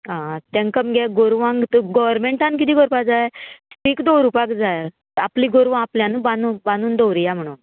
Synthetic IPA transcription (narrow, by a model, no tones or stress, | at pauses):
ɦãt̪ãŋkəmɡaɡoɾʋãŋɡt̪ɡɔʋəɾmeɳʈãnkit̪iːɡɔɾpad͡zajsʈiːkd̪owɾupakd͡zaj | apliːɡoɾʋãapljanubãnubanuːnd̪owɾijam̤əɽ̃uːn